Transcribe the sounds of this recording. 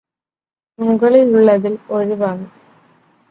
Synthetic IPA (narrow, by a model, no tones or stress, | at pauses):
muɣɐɭiluɭːɐðiloɻiʋaːɳɨ